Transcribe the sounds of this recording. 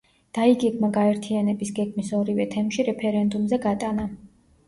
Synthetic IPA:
d̪̥aiɡɛɡmaɡaɛɾt̪ʰianɛbisɡɛɡmisɔɾivɛt̪ʰɛmʃiɾɛpʰɛɾɛnd̪umzɛɡat̪ʼana

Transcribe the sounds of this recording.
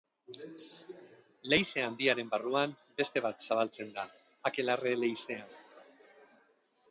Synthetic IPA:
le̞jse̞and̪iaɾe̞mbaruam | be̞st̪e̞β̞at̪saβ̞alt͡se̞nd̪a | ake̞lare̞le̞jse̞an

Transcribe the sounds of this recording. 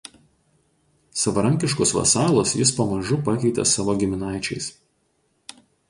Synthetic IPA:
sɐʋɐɾɐŋʲkʲɪʃkɔsʋɐ̰sɑːlˠosjɪspɐmɐʒʊpɐkʲɛɪt̪ʲɛ̰sɑːʋoɡʲɪmʲɪnɑˑɪt͡ʃʲɛɪs

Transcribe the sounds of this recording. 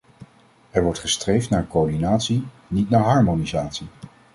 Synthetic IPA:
ɛɹʋɔɹtχəstrejftnaːɹkoɹdinaːtsi | nitnaːɹɦɑɹmonizaːtsi

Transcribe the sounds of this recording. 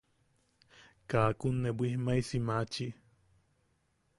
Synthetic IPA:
kaːkunːebʷihmajsimat͡ʃi

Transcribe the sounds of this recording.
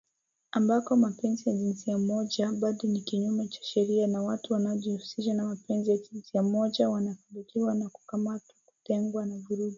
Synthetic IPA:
ambakɔmapɛnzijaʄinsiamɔʄaɓaɗɔnikiɲumɛt͡ʃḁʃɛɾianawatuwanaɔʄihusiʃanamapɛnzijaʄinsiam̩mɔʄawanafandikiwanaku̥kamatwḁku̥tɛŋɡwanavuɾuɗi

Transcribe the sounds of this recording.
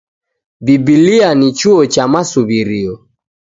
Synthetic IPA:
bibilianit͡ʃuɔt͡ʃamasuβiɾiɔ

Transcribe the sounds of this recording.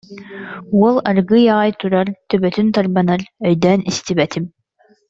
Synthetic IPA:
uɔlˠaɾɡɯjaːjt̪uɾaɾt̪œbœt̪ynt̪aɾbanaɾœjd̪ɛːnist̪ibɛt̪ʰim

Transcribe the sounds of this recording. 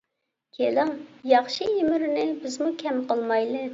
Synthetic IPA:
kʲʰelɪŋjɑχʃiimɪɾɪnɪbɪzmukʲʰɛmqəlˠmɑjlˠɨ

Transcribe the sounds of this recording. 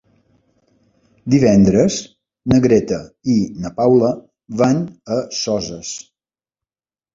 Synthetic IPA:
d̪iβɛnd̪ɾəz | nəɣɾet̪əinəpawlə | βanəsɔzəs

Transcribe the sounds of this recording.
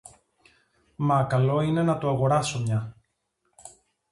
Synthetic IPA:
mɐkɐlo̞ine̞nɐt̪oɐɣo̞ɾɐso̞mɲɐ

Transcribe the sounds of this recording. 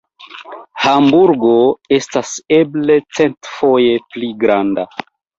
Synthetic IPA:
hambuɾɡo̞e̞stase̞ble̞t͡se̞ntfo̞je̞pliɡɾanda

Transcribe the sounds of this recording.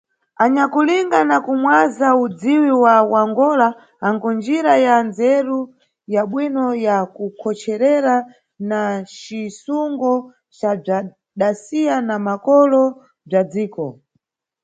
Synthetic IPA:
aɲakuliŋɡanakumwazaud͡ziwiwawaŋɡɔlaː | ŋɡɔnd͡ʒiɾajand͡zɛɾu | jaɓwinɔjakukʰɔt͡ʃɛɾɛɾa | nat͡ʃisuŋɡɔ | t͡ʃab͡ʐa | ɗasijanamakɔlɔ | b͡ʐad͡ziːkɔ

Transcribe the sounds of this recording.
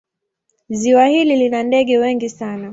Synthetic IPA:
ziwahililinandɛɠɛwɛŋɡisana

